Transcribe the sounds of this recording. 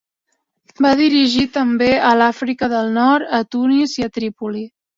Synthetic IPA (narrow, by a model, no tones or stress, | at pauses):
baðiɾiʒit̪əmbeəlafɾikəðəlˠnɔɾt̪ət̪uniziət̪ɾipuli